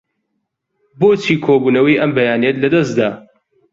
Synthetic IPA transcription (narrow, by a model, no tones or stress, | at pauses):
boːt͡ʃʰiːkʰoːbuːnɐwiːʔɐmbɐjaːnet̪lɐd̪ɐs̬d̪aː